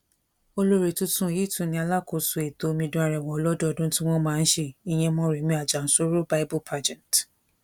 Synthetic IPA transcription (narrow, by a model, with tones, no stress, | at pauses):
o˧lo˦ɾe˨tu˦tũ˦˨ji˨˦˨tũ˨nĩ˧˦a˧la˦˨ko˨su˨e˨to˨˧mĩ˧dũ˦a˧ɾɛ˨wɔ̃˨ɔ˧˦lɔ˦dɔ˦ɔ˨dũ˦tĩ˦w̃ɔ̃˦mãː˦n̩˦ʃe˧i˨j̃ɛ̃˧mɔ̃˦˨ɾe˨˦mĩ˧a˨d͡ʒa˨n̩˨˦so˦ɾo˦ba˦i˦bu˦pʰa˧d͡ʒɛ̃˨nt